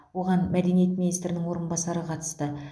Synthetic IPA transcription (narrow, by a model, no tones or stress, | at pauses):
wo̞ʁɑnmæd̪e̞nije̞t̪̚minijst̪ɾɪnɪŋwo̞ɾənbɑsɑɾəqʰɑt̪ə̥st̪ə